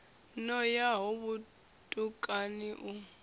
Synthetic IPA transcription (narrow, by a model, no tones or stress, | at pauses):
nɔjaɦoβu | tʼukʼaniʔu